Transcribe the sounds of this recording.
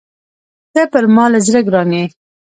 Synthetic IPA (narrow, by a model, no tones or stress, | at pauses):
t̪əpəɾmɑlazɾəɡɾɑne